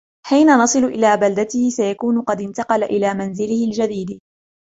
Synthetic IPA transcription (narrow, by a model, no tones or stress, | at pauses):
ħiːnanɑsˤɨlʊʔɪlaːbald̪at̪ɪhɪsajakuːnʊqɑd̪ɪnt̪ɑqɑlaʔɪlaːmanzɪlɪhɪld͡ʒad̪iːd̪